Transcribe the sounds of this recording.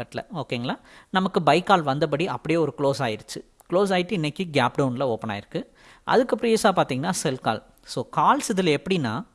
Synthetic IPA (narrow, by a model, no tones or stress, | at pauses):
ɐʈːlɐ̰oːkeːŋɡɐɭaːnɐmɐkːɯbɐɪkːaːlʋɐnd̪ɐp̬ɐɽiɐpːɐɽɪjeːɔɾɯkɪloːsaːjɪɾɯt͡ʃːɯ | kɪloːs̬aːjɪʈːɯɪnːɛkːɯɡaːpɖɐʊnlɐoːpːɐna̰ːjɪɾɯkːɯ | ʔɐ̰ðɯkːɐpːɐɽɪjesaːpaːɾt̪iːŋɡɐnːaːsɛlka̰ːl | soːkaːlsɪðɯlɛpːɐɽinːaː